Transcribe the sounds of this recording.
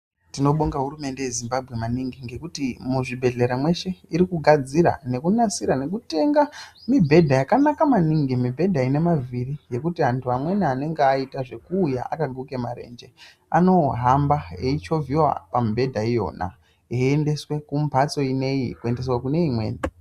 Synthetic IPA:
tino̞ɓoŋɡaɦuɾume̞nde̞je̞zimbabʱɣe̞maniŋɡiŋɡe̞kutimuʐibʱe̞ɮe̞ɾamwe̞ʃe̞iɾikuɡʱad͡ziɾa̰ne̞kunasiɾane̞kute̞ŋɡamibʱe̞dʱajakanakamaniŋɡimibʱe̞dʱaine̞mavirije̞kutiɦantʰuamwe̞niane̞ŋɡeaitaʐe̞kuːja̰ʔa̰kaɡʱuke̞maɾe̞̰nd͡ʒe̞ | a̰no̞ɦambaeit͡ʃo̞viwa̰pambʱe̞dʱaijo̞̰na̰ | eende̞swe̞kumpat͡so̞ine̞jikue̞nde̞swakune̞imwe̞̰ːni

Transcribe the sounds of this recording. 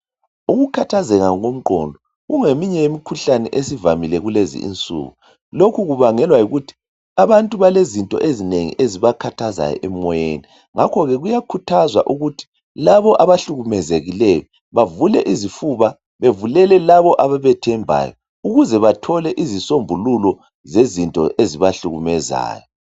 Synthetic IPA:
uɣukʰatʰazɛɣaŋɣom̩ǃɔ̰ndʱɔ | ɣuŋemiɲɛjemikʰuɬanɛ̰ʔesivamilɛɣulezḭḭnt͡sʼṵːɣu | lokʰuɣuβaŋɛlwajuɣutʰi̥ | aβantʼuβalezintʼɔ̰ʔezineŋḭʔeziβakʰatʰaza̰jɔ̰ʔɛmɔjḛni | ŋakʰɔɣɛɣujakʰutʰazwa̰ʔuɣutʰi̥ | laβɔʔaβaɬuɣumɛzeɣilɛjɔ | βavulɛʔizifuβa | βevulɛlɛlaβɔʔaβaβɛtʰɛmbʱa̰ːjɔ̰ | uɣuzɛβatʰɔlɛʔizisombʱululɔ | zezintʼɔ̰ʔeziβaɬuɣumɛza̰ːjɔ

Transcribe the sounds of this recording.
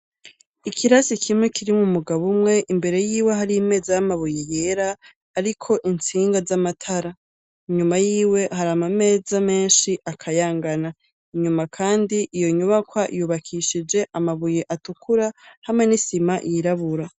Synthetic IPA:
ikʰiɾasikʰimŋekʰiɾimumuɡaβumŋe̞ʔimbe̞ɾe̞jiːwe̞ɦaɾijime̞ːzajamaβuje̞je̞ɾaː | ɾikʰo̞ʔint͡siːŋɡazamatʰaɾa | iɲumajiːwe̞ɦaɾamame̞ːzame̞ːnʃiʔakʰajaːŋɡana | iɲumakʰaːndiʔijo̞ɲuβakwaʔjuβakʰiʃid͡ʒe̞ʔamaβujeʔatukuɾahamŋe̞nisimajiɾaβuɾa

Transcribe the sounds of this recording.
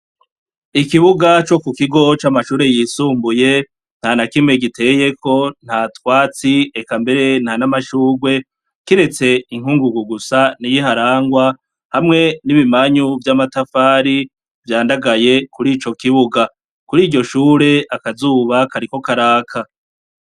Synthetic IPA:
ikiβuɡat͡ʃo̞kukiɡo̞t͡ʃamaʃuːɾe̞jiːsuːmbuje̞ | n̥hanakime̞ɡitʰe̞ːje̞kʰo̞n̥hatwaːt͡siekambe̞ɾe̞nhanamaʃuːɡwe̞ | kiɾe̞t͡se̞iŋ̥huːŋɡuɡuɡusanijiɦaɾaːŋɡwa | hamŋe̞niβimaɲuvjaːmatafaːɾi | vjaːndaɡaje̞kuɾiːt͡ʃo̞kiβuɡa | kuɾiːɟo̞ʃuːɾe̞akazuːβakaɾiko̞kaɾaːkʰa

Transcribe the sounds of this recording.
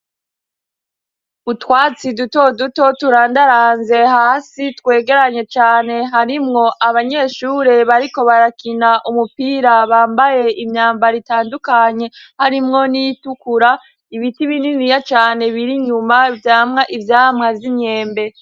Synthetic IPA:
utwaːt͡siduto̞duto̞tuɾaːndaɾaːnze̞haːsitwe̞ːɡe̞ɾaɲe̞t͡ʃaːne̞ɦaɾimŋo̞ʔaβaɲe̞ʃuːɾe̞βaɾiko̞βaɾakinaʔumupiːɾaβaːmbaje̞ʔimɲaːmbaɾitaːndukaɲe̞haɾimŋo̞nijitukuɾa | iβitiβininijat͡ʃaːne̞βiɾiɲumavjaːmŋaʔivjaːmŋavjiɲɲe̞ːmbe̞

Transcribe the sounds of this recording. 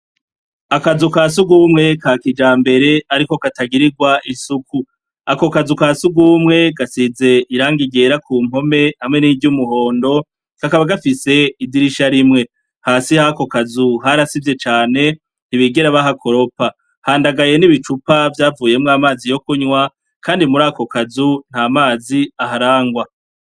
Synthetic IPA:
akazukaːs̬uɡumŋe̞kakid͡ʒaːmbe̞ɾe̞aɾiko̞kataɡiɾiɡwaʔisuku | ako̞kazukaːsuɡumŋe̞ɡasize̞ʔiɾaːŋɡiɡe̞ɾakʰuːm̥o̞me̞hamŋe̞niːvɟumuɦo̞ːndo̞ | kakaβaɡafise̞idiɾiʃaɾimŋe̞ | haːsihako̞kazuɦaɾasivje̞t͡ʃaːne̞ | n̥iβiɡeɾaβaɦakʰo̞ɾo̞pa | haːndaɡaje̞niβit͡ʃupavjaːvuːje̞mŋaːmaːzijo̞kuɲwa | kʰaːndimuɾaːko̞kazun̥hamaːziaɦaɾaːŋɡwa

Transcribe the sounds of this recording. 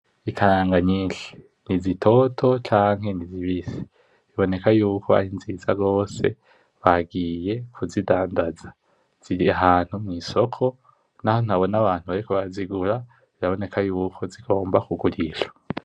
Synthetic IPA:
ikʰaɾaːŋɡaɲiːʃe̥ | nizitʰo̞tʰo̞t͡ʃaːŋhe̞niziβisi̥ | iβo̞ne̞kajuːkʰo̞a̰ɾinzizaɡo̞ːse̞̰ | βaɡiːje̞kʰuzidaːndazḁ | z̥iiaɦaːn̥humŋiːso̞kʰo̞ | naho̞n̥aβo̞naβaːn̥huβaɾikoβaziɡuɾa | ziɾaβo̞ne̞kajuːkʰo̞ziɡo̞ːmbakuɡuɾiʃo̥

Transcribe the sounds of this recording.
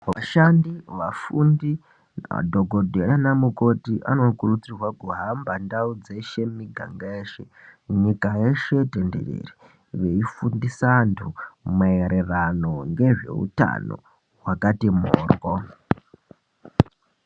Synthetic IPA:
ʋaʃandiʋafundḭ | dʱoɡʱodʱeɾanamuko̞tiʔa̰no̞kurut͡sirwakuɦambandaud͡zeʃe̞miɡʱa̰ŋɡaeːʃe | ɲikaje̞ʃe̞tendḛrḛri | ʋe̞ifundisantʰumaeɾerano̞ŋɡe̞ʐe̞̰ṵta̰no̰ | ɦwakatimo̰ːrwo

